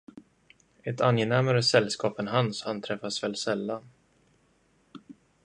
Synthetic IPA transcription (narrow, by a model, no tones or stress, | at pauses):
ɛt̪ʰanjɛnæmaɾəsɛlskɑːpɛnɦanshant̪ʰɾɛfasvɛːlsɛlːan